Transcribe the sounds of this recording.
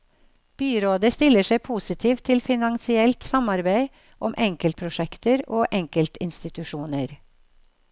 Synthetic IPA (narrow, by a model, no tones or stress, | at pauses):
b̥yːɾoːd̪əst̪ɪləʂeɪpʰuːsɪt̪ʰiːʋt̪ʰːɪlfɪnɑŋsɪɛlt̪sɑmɑɾbeɪ | ʔɔmʔɛŋkəlt̪̚pʰɾʊʃɛkt̪əɾoːʔɛŋkəlt̪ɪnst̪ɪt̪ʉʃuːnəɾ